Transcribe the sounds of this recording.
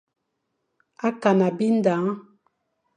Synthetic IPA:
a˦ka˨na˨bi˦n̩˦da˨˦ŋ˦

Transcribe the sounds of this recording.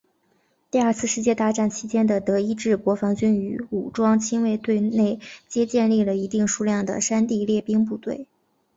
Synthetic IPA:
t̪i˥˧ɐ˞˥˧t͡sʰɹ̩˥˧ʂɻ̩˥˧t͡ɕjɛ˥˧t̪a˥˧ʈ͡ʂa˥˩nt͡ɕʰi˥t͡ɕjɛ˥nd̪ə˨t̪ɤ˧˥i˥ʈ͡ʂɻ̩˥˩kwɔ˧˥fɑ˧˥ŋt͡ɕy˥ny˧˥u˨˩ʈ͡ʂwɑ˥ŋt͡ɕʰi˥nwe˥˧ɪt̪we˥˧ɪne˥˩ɪt͡ɕjɛ˥t͡ɕjɛ˥˧nli˥˩lə˩i˧˥t̪i˥˧ŋʂu˥˧ljɑ˥˩ŋd̪ə̰˩ʂa˥nt̪i˥˧ljɛ˥˩pi˥ŋp̬u˥˧t̪we˥˩ɪ

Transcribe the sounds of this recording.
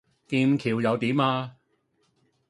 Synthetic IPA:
k̪iː˧mkʰiː˨˩wjɐ˨˧wt̪iː˨˥maː˧

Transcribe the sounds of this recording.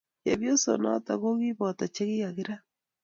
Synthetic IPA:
je˨βjo˦so̰˨nɔ̰˦ta˨ɣo˦ɣi˦βɔ˨ta˨t͡ʃe˦ɣi˦ɣa˨ɣɪ˦ɾa˦

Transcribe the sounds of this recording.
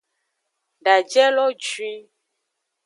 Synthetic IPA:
ɖa˨d͡ʒɛ˦lɔ˦d͡ʒwi˦

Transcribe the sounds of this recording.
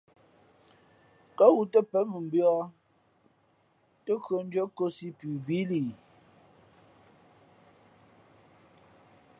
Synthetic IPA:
kə˦ɣu˨tə˦pə˨˦mə˨m̩˨bjɔ˦ | tə˦kɰo˨n̩˦d͡ʒə˦ko˦si˦pʉ˨bi˦liː˨

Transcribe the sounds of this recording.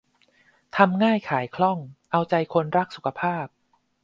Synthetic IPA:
t̪ʰa˧mŋaː˥˩jkʰaː˩˦jkʰlɔ˥˩ŋʔa˧wt͡ɕa˧jkʰo˧nɾa˦˥k̚su˨˩kʰa˧pʰaː˥˩p̚

